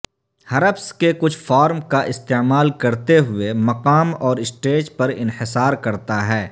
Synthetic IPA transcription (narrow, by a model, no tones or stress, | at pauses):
hɐɾəpskekʊt͡ʃʰfɔːɾmkaʔɪst̪eːmaːlkɐɾt̪eɦʊemɐqaːmɔːɾɪsʈeːd͡ʒpɐɾɪ̃nhɪsaːɾkɐɾt̪aɦɛː